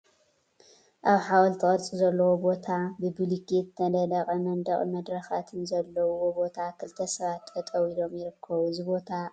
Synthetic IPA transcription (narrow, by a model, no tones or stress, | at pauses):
ʔaβħawɐlt̪ʰɨɣʼɐlt͡sʼizɐlːɐwobo̞t̪ʰabɨbɨlikit̪nɐlɐlɐχʼɐmɐnd̪ɐχʼmɐd̪ɾɐxat̪ʰɨnzɐlːɐwuwobo̞t̪ʰakʰɨlt̪ʰɐsɐβat̪ːfɐt̪ʼɐwilo̞mjɪɾɨkʰːɐβuɨzɨbo̞t̪ʰa